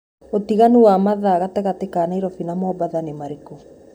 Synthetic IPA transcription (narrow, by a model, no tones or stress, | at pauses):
otiɣanuwamaðaːɣatɛɣatekanaiɾɔfinamɔbaðanemaɾeko